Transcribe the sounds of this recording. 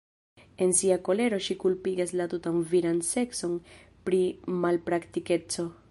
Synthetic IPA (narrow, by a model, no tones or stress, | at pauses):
e̞nsiako̞le̞ɾo̞ʃikulpiɡaslatutanviɾanse̞kso̞n | pɾimalpɾaktike̞t͡so̞